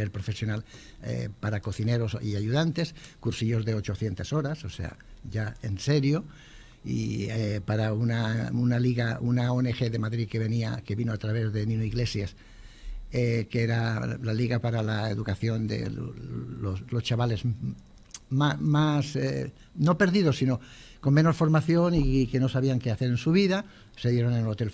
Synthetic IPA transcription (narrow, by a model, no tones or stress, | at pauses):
elpɾofe̞sjo̞nal | ḛpaɾako̞θineɾo̞siaʎuðant̪e̞skuɾsiʎo̞zðe̞o̞t͡ʃo̞θje̞nt̪aso̞ɾasosḛa̰ | ʎaenseɾjo | ḭepaɾaunaunaliɣaunaoenexeðemaðɾikeβe̞niake̞βinoat̪ɾaβ̞e̞zðe̞nĩnoiɣle̞sjas | ekeeɾalaliɣapaɾalaḛðukaθjo̞nd̪ḛ | oslo̞st͡ʃaβale̞z | mamase | no̞pe̞ɾðiðo̞sino̞ | ko̞mmẽ̞no̞sfo̞ɾmaθjo̞nike̞no̞saβiaŋkeaθe̞ɾensuβ̞iða | se̞ðjeɾo̞nenelot̪e̞l